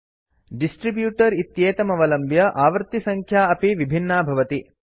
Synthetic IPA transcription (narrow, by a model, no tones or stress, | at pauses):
ɖisʈɾibjuːʈɐɾit̪jeːt̪ɐmɐʋɐlɐmbjɐʔaːʋɐɾt̪isɐŋkʰjaːɐpiʋibʱinːaːbʱɐʋɐt̪i